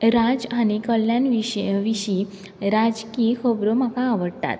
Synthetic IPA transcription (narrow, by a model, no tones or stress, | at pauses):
ɾad͡zañikəljanʋiʋiɕi | ɾad͡zkikʰəbɾomakaːʋəɽt̪a̰t̪